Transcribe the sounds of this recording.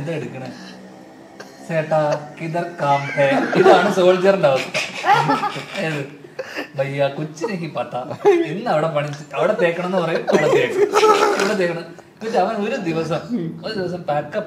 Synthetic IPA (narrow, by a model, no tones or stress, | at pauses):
d̪ɐeɽukːɐɳɨ | seːʈːakid̪ɐrkaːmt̪eiðaːɳɨso̞ːld͡ʑiɐɐruɳɖaːʋɐt̪ːɨ | eðɨbɐjːakut͡ɕːineɦipɐt̪ːainːɨɐʋiɽepɐɳit͡ɕːɨɐʋiɽet̪eːkːɐɳɐmenːɨpɐrɐjuumɐʋiɽet̪eːkːɐɐʋiɽet̪̬eːkːɐɳɐm | pit͡ɕːeɐʋɐno̞ɾud̪iʋɐsɐmoɾud̪iʋɐs̬ɐmpaːkːɐpː